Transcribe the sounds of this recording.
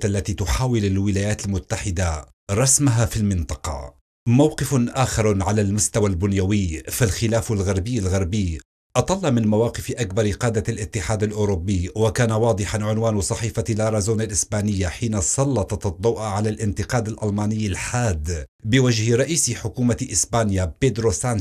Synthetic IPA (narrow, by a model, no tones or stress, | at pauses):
ʔælːæt̪it̪ʊħaːwɪlɪlwɪlæːjæːt̪lmʊt̪ːaħɪd̪a | ɾˤɑsmʊɦafilmɪnt̪ˤɑqɑ̰ | mawqɪfʔaːxɑɾˤʕalælmʊst̪awalbʊnjawɪːfalxɪlæːfʊlɣɑɾˤbɪjːalɣɑɾˤbij | ʔɑt̪ˤɑlːɑmɪnmawaːqɪfʔakbɑɾˤqɑːd̪alʔɪt̪ːɪħaːd̪alʔʊɾʊbːiwakæːnawɑːd̪ˤɨħanʕʊnwaːnsˤɑħiːfalɑɾˤɑzuːnalʔɪsbaːnɪjːaħiːnasˤɑlːɑt̪ˤɑt̪d̪ˤːɑwʔaʕalalʔɪnt̪ɪqɑːd̪alʔɑlmɑːnɪjːalħaːd̪bɪwaʒhɪɾˤɑʔiːsħʊkuːmaʔɪsbaːnjaped̪ɾosan